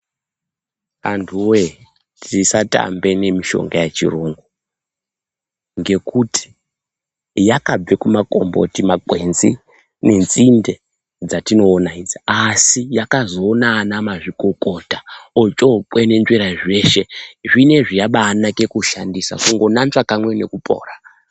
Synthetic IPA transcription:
antʰuwe | tisata̰mbe̞ne̞miʃo̞̰ŋɡajet͡ʃḭroːŋɡo | ŋɡe̞kutʰi̥ | jakab͡vekumako̰mbo̰timakwe̞nzi | ne̞nzinde̞ | d͡zatino̞ːnaid͡ziasijakazo̞ːnaːnamaʐiko̞ko̞taot͡ʃopwene̞nd͡ʒweɾaʐe̞ʃe̞ʐine̞ʐijaɓaːnake̞kuʃa̰ndisa̰kuŋɡo̞nant͡ʃakamwe̞ne̞kupʰʼo̞̰ːra

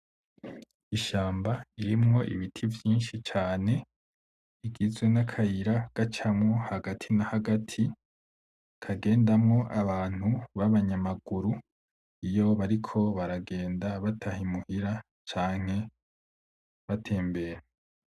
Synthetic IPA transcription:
iʃaːmbaiɾimŋo̞ʔḭβitʰivjiːnʃit͡ʃaːne̞ | iɡizɡwenakʰajiɾaɡ̥at͡ʃamŋohaɡatʰinahaɡatʰi | kʰaɡe̞ːndamŋo̞ʔaβaːn̥huβaβaɲamaɡ̥uɾu | ijo̞βaɾikʰo̞βaɾaɡe̞ːndaβatʰahimuhiɾa | t͡ʃaːŋ̥e̞ | βatʰe̞ːmbe̞ːɾe

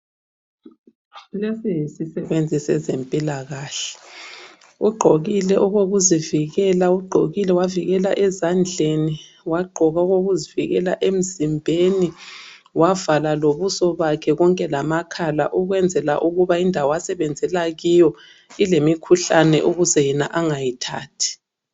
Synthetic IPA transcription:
lesijisisɛβend͡zʱisɛ̰zempʼilaɣaːɬɛ̥ | uɡ͡ǃʱoɣilɛʔɔɣoɣuziviɣɛlauɡ͡ǃʱoɣilɛwaviɣɛla̰ʔɛzand͡ɮʱeni | waɡ͡ǃʱɔɣauɣoɣuziviɣɛla̰ʔem̩zimbʱeni | wavalaloβusɔβakʰɛɣɔŋkʼɛlamakʰala̰ʔuɣwɛnd͡zʱɛla̰ʔuɣuβaindʱawɔjasɛβɛnd͡zʱɛlaɣijɔ | ilemikʰuɬanɛ̰ʔuɣuzɛjɛnaʔaŋajitʰa̰ːtʰi̥

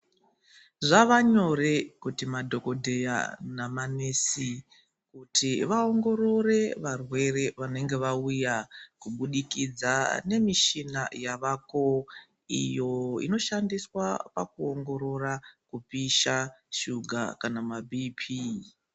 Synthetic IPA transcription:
ʐaʋaɲo̞re̞kutimadʱo̞ko̞dʱe̞ja̰namanesi | kutʰiʋaoŋɡo̞ɾo̞re̞ʋarwe̞re̞ʋane̞ŋɡe̞ʋaujakuɓuɗikid͡zane̞miʃinajaʋako | ḭjo̞ḭno̞ʃandiswapa̰kuoŋɡo̞ɾo̞rakupiʃaʃuɡʱa̰kanamabʱipʰi

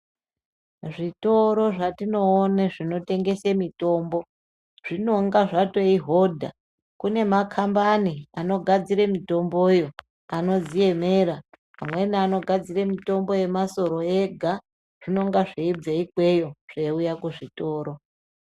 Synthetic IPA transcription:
ʐito̞ɾo̞ʐatino̞ːneʐino̞te̞ŋɡe̞semito̞ːmbo̞ | ʐ̥ino̞ŋɡaʐatoiɦo̞dʱa̰ | kune̞makʰambaniano̞ɡʱad͡ziɾemito̞mbo̞jo̞ | ano̞d͡zije̞me̞ːɾa | pamwe̞niano̞ɡʱad͡ziremito̞mbo̞je̞maso̞ɾo̞e̞ɡʱa | ʐ̥ino̞ŋɡaʐeib͡veikwejo̞ʐ̥eujakuʐito̞ːɾo̞

